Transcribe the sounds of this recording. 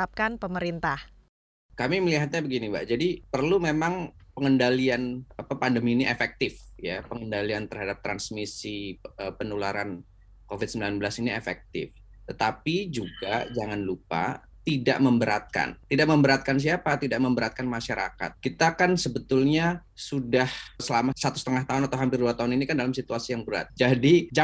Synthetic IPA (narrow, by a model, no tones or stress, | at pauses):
ap̚kanpəməɾint̪ah | kamiməliɦat̪̚ɲabəɡiniba̰ʔd͡ʒadipərlumemaŋpəŋəndalianapapandəmiːniʔefɛk̚t̪ɪfjapəŋəndaliant̪ərɦadap̚t̪ɾansmisiəpənolaɾan | kofɪt̪̚səmbilanbəlasiniefɛ̰k̚t̪ɪ̰f | t̪ət̪apid͡ʒuɡad͡ʒaŋanlupa̰ | t̪ida̰ʔməmbəɾa̰t̪̚ka̰nt̪idaʔməmbəɾat̪̚kans̬iapat̪idaʔ̚məmbəɾat̪̚kanmaʃaɾa̰ka̰t̪̚kit̪akansəbət̪ʊlɲa | sudahsəlamasat̪u̥st̪əŋaht̪aɦʊnat̪awɦampɪrduat̪aɦʊninikandalamsit̪uasijaŋbəɾa̰t̪̚d͡ʒadid͡ʒa